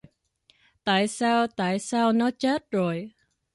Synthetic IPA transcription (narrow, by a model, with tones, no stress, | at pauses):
t̪a̰ː˧˨jsaː˧wt̪a̰ː˧˨jsaː˧wnɔ˨˦t͡ɕə˦˥t̚zo˨˩j